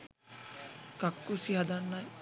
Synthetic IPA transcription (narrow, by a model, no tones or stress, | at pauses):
kakːusiɦad̪anːaj